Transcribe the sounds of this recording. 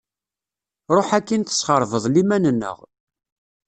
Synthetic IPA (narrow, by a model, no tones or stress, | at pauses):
ɾˤoħækːint̪ə̥sχəɾˤvəðˤlimænənːə̰ʁ